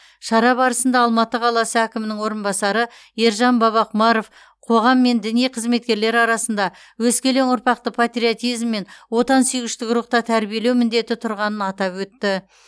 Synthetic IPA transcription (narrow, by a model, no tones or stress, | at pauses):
ʃɑɾɑbɑɾəsənd̪ɑːlˠmɑt̪əqʰɑlˠɑsəækʲɪmɪnɪŋwo̞ɾənbɑsɑɾəeɾʒɑnbɑβɑqmɑɾof | qʰo̞ʁɑmːe̞nd̪ɪnijqʰəzme̞t̪kʲe̞ɾle̞ɾɑɾɑsənd̪ɑ | wɵskʲe̞le̞ŋʊɾpɑq̚t̪əpʰat̪ɾiot̪ijzmːe̞nwo̞t̪ɑnsyjɡɪʃt̪ɪkɾuq̚t̪ɑt̪ʰæɾbije̞le̞wmɪnd̪e̞t̪ɪt̪ʰʊɾʁɑnənɑt̪ɑpwɵt̪ːɪ